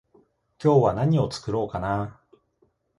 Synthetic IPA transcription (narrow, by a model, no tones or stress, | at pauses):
kʲo̞ːβanaɲ̟io̞t͡sɨ̥kɯ̟ɾo̞ːkana